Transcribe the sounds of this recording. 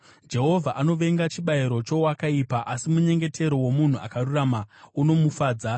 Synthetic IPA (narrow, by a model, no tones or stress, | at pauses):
d͡ʒe̞ɦo̞vʱaʔano̞ʋe̞ŋɡat͡ʃiɓaiɾo̞t͡ʃo̞wakaipaʔasimuɲe̞ŋɡe̞tʰe̞ɾo̞wo̞mun̤ua̰karuramauno̞mufaːd͡za